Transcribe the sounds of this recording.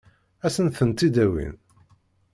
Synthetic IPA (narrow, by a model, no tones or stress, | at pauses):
æsənθənt̪id̪æwḭn